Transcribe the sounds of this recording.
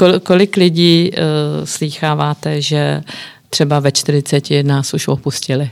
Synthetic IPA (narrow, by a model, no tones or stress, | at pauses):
kokolɪklɪɟiː | sliːxaːvaːt̪ɛʒɛt̪r̝̥ɛbavɛt͡ʃt̪ɪr̝ɪt͡sɛcɪnaːsuʃopuscɪlɪ